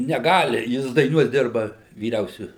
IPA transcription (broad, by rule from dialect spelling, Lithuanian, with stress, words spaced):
nʲɛˈɡɑːlʲɪ ˈjɪs dɐɪˈnuɔs ˈdʲɪrbɐ ʋʲiːˈrʲɛʊsʲʊ